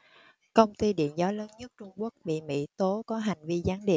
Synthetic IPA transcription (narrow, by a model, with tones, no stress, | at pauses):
kə˧wŋ͡mt̪i˧ɗḭ˧˨ənzɔ˨˦ləː˨˦nɲə˦˥t̚t͡ɕʊ˧ŋ͡mku˦˥ək̚ɓḭ˧˨mḭ˧˥t̪o˨˦kɔ˨˦ɦa˨˩jŋ̟vi˧zaː˨˦nɗḭ˨˩ə